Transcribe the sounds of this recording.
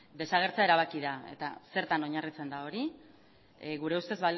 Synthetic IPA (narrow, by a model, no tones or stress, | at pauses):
d̪e̞saɣ̞e̞ɾt͡seae̞ɾaβ̞akiðae̞̰t̪ase̞ɾt̪ano̞ɲarit͡se̞nd̪ao̞ɾi | ɣuɾe̞ust̪e̞zβal